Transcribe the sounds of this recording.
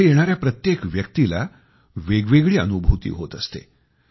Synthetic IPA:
ejeɽ̃aɾjapɾət̪jekʋjək̚t̪ila̰ | ʋeɡʋeɡɭiːə̰nubʱut̪ḭːɦot̪əst̪ḛ

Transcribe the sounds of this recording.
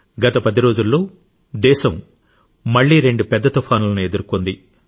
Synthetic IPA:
ɡɐt̪ɐpɐd̪iɾo̞ːd͡ʒulːo̞ː | d̪ɛːʃɐm | mɐɭːiːɾe̞ɳɖupɛd̪ːɐt̪ɐpʰɐnulɐnue̞d̪uɾukond̪i

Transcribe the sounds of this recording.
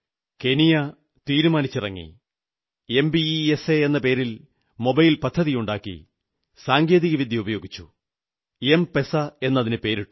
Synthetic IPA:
ke̞nijɐ | t̪iːɾumaːnit͡ɕːirɐŋːḭ | e̞mbieseenːɐpe̞ːɾil | mo̞bɐjilpɐd̪ʱːɐðijuɳɖaːkːḭ | saːŋɡe̞ːðiɣɐʋid̪ʱjɐubɐjo̞ːɡit͡ɕːu | empe̞sɐe̞nːɐðinɨpe̞ːɾiʈːu

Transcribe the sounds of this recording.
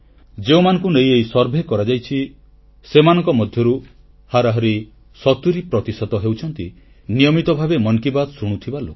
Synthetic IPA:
d͡ʒeũmanɔ̃ŋkunejejsɔɾbʱekɔɾad͡ʒajt͡ʃʰi | semanɔ̃ŋkɔmɔd̪ʱjɔɾu | haɾaɦɔɾi | sɔt̪uɾipɾɔt̪isɔt̪ɔɦewt͡ʃʰɔnt̪i | nijɔmit̪ɔbʱabemɔŋkibad̪ɔsuɽ̃ut̪ʰibalo̰kɔ̥

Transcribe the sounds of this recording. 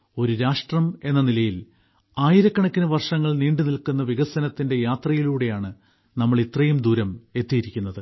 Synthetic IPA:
o̞ɾuɾaːʂʈrɐme̞nːɐnilɐjil | aːjiɾɐkːɐɳɐkʲːɐnɨʋɐrʂɐŋːɐɭniːɳɖɨnilkunːɐʋiɣɐsɐnɐt̪ːinde̞jaːt̪rɐjiluːɽe̞jaːɳɨ | nɐmːɐɭit̪rɐjumd̪uːɾɐme̞t̪ːijiɾikʲːunːɐðɨ

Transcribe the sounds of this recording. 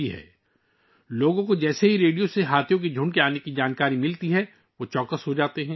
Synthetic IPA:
iɦɛ̰ː | loːɡõkod͡ʒɛːseɦiɾeːɖijoseɦaːt̪ʰjõk̬id͡ʒʱʊ̃ɳkeaːnekid͡ʒaːnkaːɾimɪlt̪iɦɛ | ʋot͡ʃɔːkəsɦod͡ʒaːt̪eɦɛ̃ː

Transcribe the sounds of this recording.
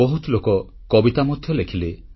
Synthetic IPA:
ɔɦut̪lokɔ | kɔbit̪amɔd̪ʱjɔlekʰile

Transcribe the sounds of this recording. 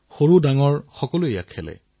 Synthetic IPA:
xoɹudaŋɔɹxɔkɔlʊeja̰kʰɛlɛ̰

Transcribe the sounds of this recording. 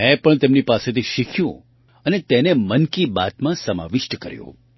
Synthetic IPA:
mɛ̃pəɳt̪emnipaset̪ʰiʃikʰjṵ̃ | ənet̪enemənkiba̰t̪mãsəma̰ʋɪʃʈəkəɾjṵ̃

